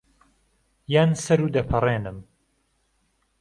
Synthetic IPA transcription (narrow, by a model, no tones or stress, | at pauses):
jaːnsɐɾuːd̪ɐpʰɨrˤeːnɨm